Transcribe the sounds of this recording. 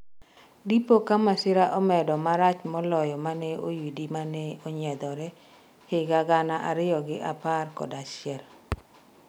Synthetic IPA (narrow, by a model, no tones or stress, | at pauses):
dipokamasɪɾaʔɔmɛdɔmaɾat͡ʃmɔlɔjɔmanɛojidimanɛoɲɛd̪ɔɾɛ | hɪɡaɡanaʔaɾɪjɔɡɪʔaparkɔ̰daʃjɛl